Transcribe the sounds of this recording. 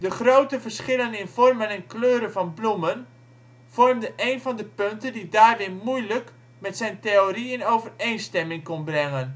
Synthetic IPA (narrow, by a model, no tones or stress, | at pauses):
dəχrowtəvərsχɪlənɪnvɔrmənɛnkløːɾəvɔnblumən | v̥ɔrmdəʔejnvɔndəpøntəndidaːrʋɪmujlək | mɛtsɛjnteoriɪnowvərejnstɛmɪŋkɔnbrɛŋən